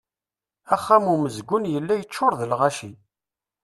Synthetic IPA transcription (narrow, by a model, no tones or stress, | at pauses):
æχːæmuməzɡʷʊnjəlːæjət͡ʃːʊɾˤðəlʁæʃi